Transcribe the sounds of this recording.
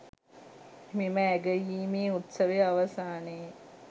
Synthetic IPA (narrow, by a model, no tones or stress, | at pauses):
miməæɡəjiːmeːut̪sɐʋeaʋɐsaːneː